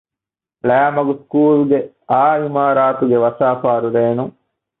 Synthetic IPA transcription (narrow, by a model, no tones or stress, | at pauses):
lɛːmɐɡuskuːlɡe | aːimaːɾaːt̪uɡeʋɐsaːfaːɾuɾeːnuŋ